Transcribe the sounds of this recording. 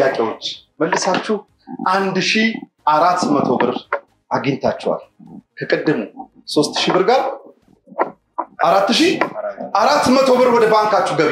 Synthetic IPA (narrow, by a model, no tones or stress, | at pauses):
jakʼewo̞t͡ʃːməlːɨsat͡ʃːɪh | ʔand̪ʃiʔaɾat̪ːmət̪ʰo̞bɨɾ | aɡɪɲt̪ʰat͡ʃːɛwa̰lkʰəkʼɨd̪ːɨm | so̞st̪ʃibɨɾɡaɾ | aɾat̪ːɨʃiaɾat̪ːmət̪ʰo̞βɨɾwɔd̪əbaŋkat͡ʃːɪɡəβ